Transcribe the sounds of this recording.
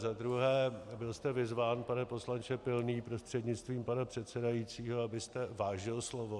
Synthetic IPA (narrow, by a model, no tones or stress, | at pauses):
zad̪ɾuɦɛːbɪlst̪ɛvɪzvaːnpanɛpo̞slant͡ʃɛpɪlniːpɾo̞st̪r̝̥ɛdɲɪt͡st̪viːmpanapr̝̥ɛt̪sɛdajit͡siːɦo̞abɪst̪ɛvaːʒɪlslo̞vo